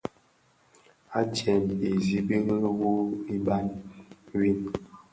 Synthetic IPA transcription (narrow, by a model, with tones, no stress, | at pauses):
a˦t͡ʃɛ˨me˨zi˦bi˦ɣwo˦ni˦ba˦nwi˦n